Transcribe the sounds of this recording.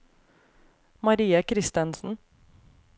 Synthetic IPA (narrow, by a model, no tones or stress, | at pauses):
mɑɾiːəkʰɾɪst̪ənsn̩